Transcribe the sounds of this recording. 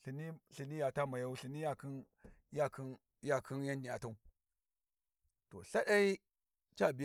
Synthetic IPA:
ɬi˨ni˦ɬi˨ni˦ja˨ta˦ma˨ja˦u˦ɬi˨ni˦ja˦ki˦n | ja˦ki˦n | ja˦kʰi˦nja˦n˦di˨a˨ta˦u˦ | to̰˨ɬa˦ɗa˦i˦ | t͡ʃa˦˨bi˨j

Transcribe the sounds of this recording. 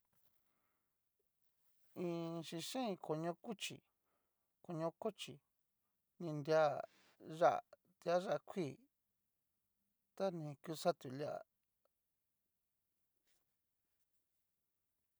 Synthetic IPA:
ĩ˧ʃi˧ʃẽ˦ĩ˧ko˧ɲõ˧ku˦t͡ʃḭ˨ | ko˧ɲõ˧ko˦t͡ʃi˨ | nĩ˧nd̪ʲja˦ | ʐa̰˦ʔ | t̪ja˦ʐa˦˧kʰʷiː˦˨ | t̪a˦nĩ˧ku˧˦sa˦t̪u˨lja˦ʔa̰˧˨

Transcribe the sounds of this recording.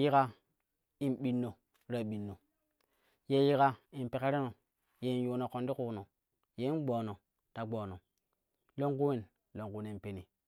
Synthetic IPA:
ji˦ka˦ | i˨nɓi˨nːo˨ | ɾa˦ɓi˨nːo˨ | je˦ji˦ka˦i˨n˨pe˨ke˦ɾe˦no˨ | je˦i˨nju˨no˨ko˨ndi˦ku˨no˨ | je˦i˦n˦ɡ͡boː˨no˨ | ta˨ɡ͡boː˨no˨ | lo˦ŋku˦we˦˨n | lo˦ŋku˨˦ne˨n˨pe˨ni˨

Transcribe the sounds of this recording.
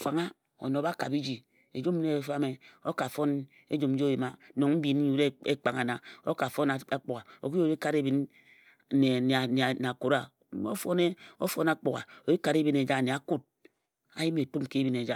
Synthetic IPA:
fa˨ŋa˦ | o̰˨no˨ba˦ka̰˨bi˦d͡ʒi˨ | e˨d͡ʒu˦m˦ne˨fa˦me˨o˦ka˨fo˦n | ḛ˦d͡ʒu˨m̩˦d͡ʒi˦o˦ji˨ma˨˦no˨ŋ̩˦bi˨n˦ɲu˨˦ɾe˦e˦k͡pa˨ŋa˨na˨o̰˦ka˨fo˦na˨a˨k͡po˨ka˨o̰˨ki˦o˦˨˦i˦ka˦˨ɾe˦bi˨˦n˦ | ne˨n˨a˨n˨na˨ku˨ɾa˦˨˦ | o̰˦fo˦ne˦o˦fo˦na˦k͡po˨ɣa̰˨o˨ji˦ka˨ɾe˦bi˦ne˨d͡ʒa˦˨ne˨a˨ku˦t̚ | a̰˨ji˦me˨tu˦mke˦bi˦ne˨d͡ʒa˦

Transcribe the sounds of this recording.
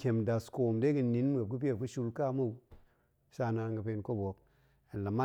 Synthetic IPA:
kʲe˨mda˨sko˨mde˦kɨ˨ni˨˦nm˦ɡe˨p̚kɨ˦p̬i˦e˦˨kɨ˦ʃu˦lka˦mu˦˨w | sa˦˧na˧˦ŋɡə˨pe˧nko˦bo˨˦k̚ | a˨n˨la˨ma˦

